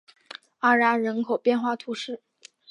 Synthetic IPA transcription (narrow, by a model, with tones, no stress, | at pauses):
a˥˩ɻa˧˥ɻə˧˥nkʰo˨˩ʊpjɛ˥˧nxwa˥˩t̪ʰu˧˥ʂɻ̩˥˩